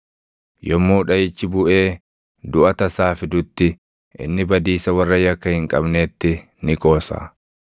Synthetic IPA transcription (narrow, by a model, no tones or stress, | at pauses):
jɔmːuːᶑɐjɪt͡ʃːɪbʊʔeː | d̪ʊʔɐt̪ɐsaːfɪd̪ʊt̪ːɪ | ʔɪ̰nːɪbɐd̪iːsɐwɐrːɐjɐkːɐhɪŋkʼɐ̰bneːt̪ːɪ | nɪkʼo̞ːsa̰ː